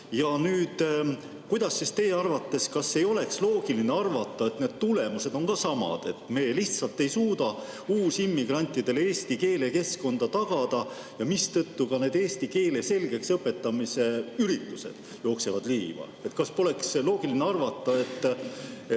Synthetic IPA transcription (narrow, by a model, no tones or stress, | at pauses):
jɑnyːd̪̥ | kujd̪ɑsːist̪e̞jeɑrvɑt̪ːe̞skɑsːe̞jo̞le̞kslo̞ːɡ̥ilineɑrvɑt̪ːˑɑe̞t̪ne̞d̪̥̚t̪ule̞muse̞d̪̥o̞ŋkɑsɑmɑ̰d̪̥e̞t̪ːˑme̞ːliht̪sɑlt̪ːe̞jsuːd̪̥ɑ | uːsimːiɡ̥rɑnʲt̪ːˑid̪̥e̞leeːst̪ike̞ːle̞ke̞sko̞nd̪̥ɑt̪ɑɡ̥ɑd̪̥ɑ | jɑmist̪ɤt̪ːukɑne̞ːd̪̥e̞ːst̪ike̞ːle̞se̞lɡ̥e̞ksɤpːe̞t̪ːɑmise̞yɾit̪ːˑuse̞̰d̪̥ | jo̞ːkse̞vɑd̪liːvɑ̰et̪ːˑkɑspo̞le̞kslo̞ːɡ̥ilineɑrvɑt̪ˑːɑe̞t̪ːˑ